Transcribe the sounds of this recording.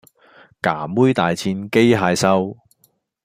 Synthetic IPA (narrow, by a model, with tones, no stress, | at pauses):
kaː˨˩muː˥jt̪aː˨jt͡sʰiː˧nke˥jɦaː˧jsɐ˥w